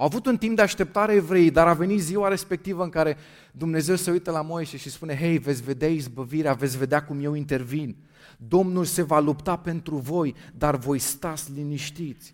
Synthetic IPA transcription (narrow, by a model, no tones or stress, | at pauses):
awavut̪unt̪imp̚d̪eaʃt̪e̞p̚t̪aɾeaevɾe̞ejd̪aɾave̞nit̪ziwaɾe̞spe̞k̚t̪ivəɨŋkaɾe̞ | d̪umne̞ze̞wseujt̪əlamo̞jse̞ʃispune̞ɦe̞jve̞t̪sʲve̞d̪eaizbəviɾeave̞t̪sʲve̞d̪eakumje̞wint̪e̞rvin | d̪o̞mnulse̞valupt̪ape̞nt̪ɾuvo̞jd̪arvo̞jst̪at̪sʲliniʃt̪it̪sʲ